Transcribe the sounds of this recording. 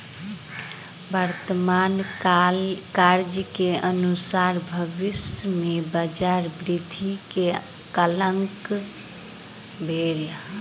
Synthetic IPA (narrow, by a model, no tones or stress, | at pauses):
bəɾt̪əman | kaɾd͡ʒəkeʔənusaɾbʱəʋismebəd͡ʒaɾbɾid̪ʱike | kələŋk | bʱeɾ